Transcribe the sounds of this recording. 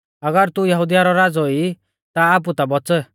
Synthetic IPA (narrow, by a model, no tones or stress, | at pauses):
ɐɡəɾt̪ujɐɦud̪ijaɾɔɾad͡zɔi | t̪aːp̬ut̪abɔt͡sə